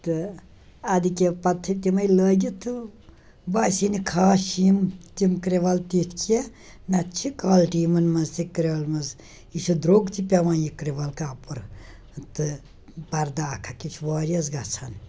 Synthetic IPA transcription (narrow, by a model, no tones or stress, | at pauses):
t̪ɨ | ɐd̪ikʲepɐt̪ʰːɨt̪ʲimɐjləːɡʲit̪ʰɨ | baːsinikʰaːʃimt̪imkɾeʋɐlt̪it̪ʰkʰie | nɐtt͡ʃʰikaːlʈiːmɐnmɐzt̪ikɾʲeʋɐlmɐz | iʃud̪ɾoːɡt̪ipʲɐʋãːjikɾeʋɐlkaːpɨɾ | t̪ɨ | pɐɾd̪aːkʰɐkit͡ʃʰuʋaːɾiɐzɡɐt͡sʰɐn